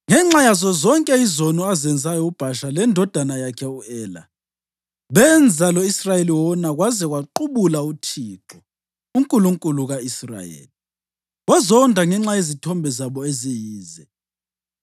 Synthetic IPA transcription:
ŋɛŋ͡ǁajazɔzɔŋkʼɛizonuazɛnd͡zʱajɔub̥ʱaʃalɛndʱɔd̥ʱanajakʰɛuɛːla̰ | βɛnd͡zʱalɔisrajeliwɔnaɣwazɛɣwaǃuβulautʰiːǁɔ | uŋkʼuluŋkʼuluɣaisra̰jḛːli | ɣwazɔndʱaŋɛŋ͡ǁajezitʰɔmbʱɛzaβɔezijiːzɛ

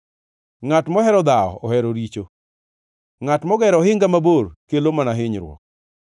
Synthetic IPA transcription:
ŋatmɔɦɛɾɔd̪aɔ̰ɔhɛɾoɾit͡ʃo | ŋatmɔɡɛɾɔɦɪŋɡamaboɾkelomanaɦɪɲɾwɔ̰k̚

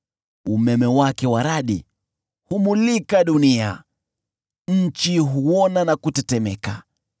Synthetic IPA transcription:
umɛmɛwakɛwaɾaɗḭ | humulikaɗunia | ɲ̩t͡ʃiɦuɔnanakutɛtɛmɛka

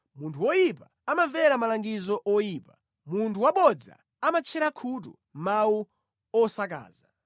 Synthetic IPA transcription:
muntʰuwɔjipa | amavɛɾamalaŋɡizɔʔɔjiːpa | muntʰuwaɓɔd͡za̰ | amat͡ʃʰɛɾakʰut̬ṵ | mawu | ɔsak̬a̰ːza

